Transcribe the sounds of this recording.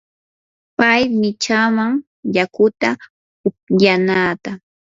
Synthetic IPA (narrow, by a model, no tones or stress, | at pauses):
pajmɪt͡ʃamaŋ | jakʊt̪a | ʊp̚janaːt̪a